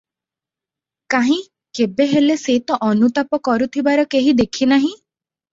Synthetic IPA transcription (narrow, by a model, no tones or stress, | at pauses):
kaɦĩ | kebeɦeleset̪ɔʔɔnut̪apɔkɔɾut̪ʰibaɾɔkeɦid̪ekʰinaɦĩ